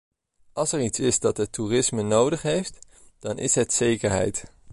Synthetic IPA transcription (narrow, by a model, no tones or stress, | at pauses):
ʔɑlˠsɛɹitsɪzdɑtɦətːurɪsmənowdəχɦejft | d̥ɑnʔɪ̰sɦətsejkəɹɦɛ̰jt